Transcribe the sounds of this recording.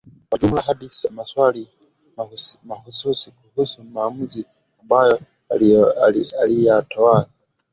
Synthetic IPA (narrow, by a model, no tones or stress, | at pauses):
kwad͡ʒumlaɦaɗiθijamaswali | mamahususikuhusumaːmuzi | ambajɔ | aliatawala